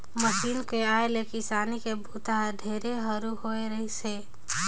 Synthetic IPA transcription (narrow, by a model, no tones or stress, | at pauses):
məʃiːnkeaːelekɪsaːnikebʱuːt̪aɦɖʱeːɾeɦəɾuhoeɾəɦise